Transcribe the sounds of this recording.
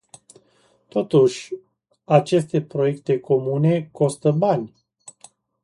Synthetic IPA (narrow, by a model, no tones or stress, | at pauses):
t̪o̞t̪uʃʲ | at͡ʃe̞st̪e̞pɾo̞je̞kt̪e̞kʰo̞mune̞ko̞st̪əbanʲ